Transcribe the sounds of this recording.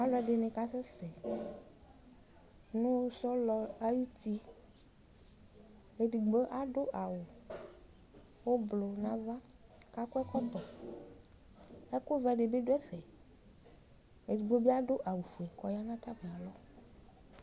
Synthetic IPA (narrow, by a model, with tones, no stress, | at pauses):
a˦lɔ˦ɛ˨ɖe˨nẽ˨ka˦se˦sɛ˨ | nũ˦sɔ˦lɔ˨a˦ju˦t̪i˦ | e˨ɖi˨ɡ͡bo˦ʔa˦ɖo˦ʔa˨wo˨ | wo˦blo˨nã˦va˦ | ka˦kɔ˦ɛ˦kɔ˦t̪ɔ˨ | ɛ˦ko˦vɛ˦ɖe˨be˦ɖo˦ɛ˦ɸɛ˨ | e˨di˨ɡ͡bo˦bi˦a˦ɖo˦ʔa˨wo˨ɸu˨ɛ˨kɔ˨ja˦nã˦t̪a˦m˨ã˨lɔ˦